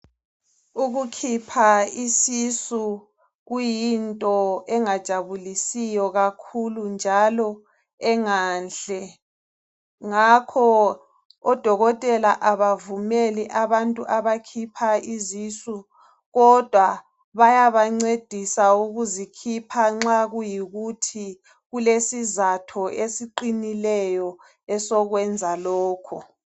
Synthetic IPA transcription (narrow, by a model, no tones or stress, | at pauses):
uɣukʰipʰaisisu | ɣujintʼɔɛŋad̥ʒ̥ʱaβulisijɔɣakʰulund͡ʒʱalɔ | ɛŋaːnɬɛ | ŋakʰɔ | ɔd̥ʱɔɣɔtʼɛlaʔaβavumeliʔaβantʼuʔaβakʰipʰaizisu | ɣɔd̥ʱwa | βajaβaŋ͡ǀed̥ʱisauɣuzikʰipʰaŋ͡ǁaɣujiɣutʰi | ɣulesizatʰɔʔesiǃinilɛjɔ | ɛsɔɣwɛnd͡zʱalɔːkʰɔ